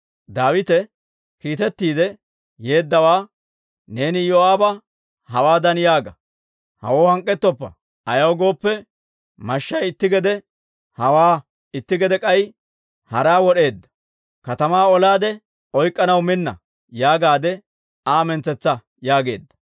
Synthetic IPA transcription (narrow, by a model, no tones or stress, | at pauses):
d̪aːwɪt̪ɛ | kiːt̪ɛt̪ːiːd̪ɛ | je̞ːd̪ːɐwaː | ne̞ːnɪjoaːbɐ | hɐwaːd̪ɐnjaːɡɐ | hɐ̰woːhɐŋkʼːɛt̪ːɔpːɐ̰ | ʔɐjɐwɡo̞ːpːɛ | mɐʃːɐjɪt̪ːɪɡɛd̪ɛ | hɐwaː | ɪt̪ːɪɡɛd̪ɛkʼɐj | hɐɾaːwɔɗe̞ːd̪ːɐ̥ | kɐt̪ɐmaːɔlaːd̪ɛ | ɔjkʼːɐnɐwmɪnːɐ̰ | jaːɡaːd̪ɛ | aːmɛnt͡sːɛt͡sːɐ | jaːɡe̞ːd̪ːɐ̥